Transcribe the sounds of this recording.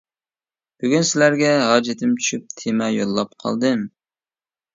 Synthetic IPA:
b̥yɡʲynsɪlæɾɡʲɛɦɑːd͡ʒɪt̪ʰɪmt͡ʃʰy̥ʃyp̚t̪ʰemɛjolˠːɑp̚qʰɑ̰lˠd̪ɨm

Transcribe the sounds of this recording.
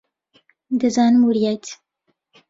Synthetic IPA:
d̪ɨzɑːnɨmuɾjɛt̪

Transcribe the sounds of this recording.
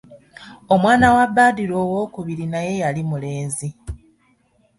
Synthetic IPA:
o̞mwaːnawabːaːdiɾo̞ːwo̞ːkuβiɾinaje̞jalimule̞ːnzi

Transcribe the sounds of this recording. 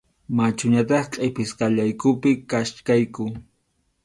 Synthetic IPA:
mat͡ʃʊɲat̪ɑχqʼepɪskaʎajkʊpɪkaʃkajkʊ

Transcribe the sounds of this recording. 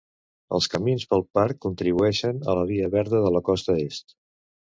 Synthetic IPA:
ə̰lˠskəminspəlˠpaɾkːunt̪ɾiβuɛʃənə̰ləβ̞iəβɛɾðəðələkɔst̪əest̪

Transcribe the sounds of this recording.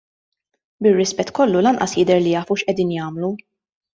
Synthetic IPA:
bɪrːɪspɛt̪ːkɔlːulɐnʔɐsjɪd̪ɛɾlijɐːfuʃʔɛd̪iːnjɐːmlu

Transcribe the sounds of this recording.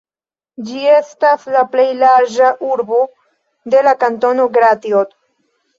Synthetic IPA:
d͡ʒie̞staslaple̞jlaɾd͡ʒaʔuɾbo | d̪e̞lakanto̞noɡɾat̪iod̪

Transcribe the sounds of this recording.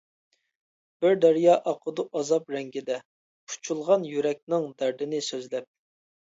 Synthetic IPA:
b̥ɪɾd̪æɾijɑːʔɑqʰəd̪uʔɑzɑpɾɛŋɡʲɪd̪ɛ | qʰu̥t͡ʃʰulˠʁɑnjyɾɛk̚ʲnɪŋd̪æɾd̪ɪnɪsøzlɛp̚

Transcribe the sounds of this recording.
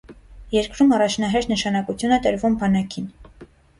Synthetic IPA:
jɛɾkɾumɑrɑt͡ʃʰnɑɦɛɾt̪ʰnəʃɑnɑkut͡sʰjunɛt̪əɾvumbɑnɑkʰin

